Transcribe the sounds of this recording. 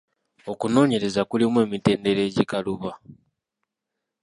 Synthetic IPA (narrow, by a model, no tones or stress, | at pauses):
o̞kuno̞ːɲe̞ɾe̞zakulimwe̞ːmite̞ːnde̞ɾe̞ːɟikaluβa